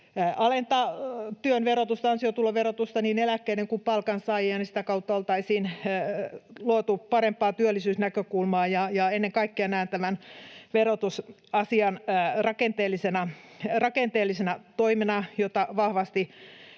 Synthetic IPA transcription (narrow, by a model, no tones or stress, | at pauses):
ʔɑlent̪ɑt̪yønʋerot̪ust̪ɑɑnsiot̪uloʋerot̪ust̪ɑniːnelækːeineŋkumpɑlkɑnsɑiɑnisi̥t̪ækɑut̪ːɑolt̪ɑisiːn | luot̪upɑɾempːˑɑːt̪yølːisyːsnækøkulmɑːjɑjɑenːeŋkɑikːeɑnæːnt̪æʋænʋerot̪us | ɑsiɑnrɑkent̪eːlːˑisenɑ | rɑkent̪eːlːisenɑt̪oimenɑjot̪ːɑʋɑhʋɑst̪i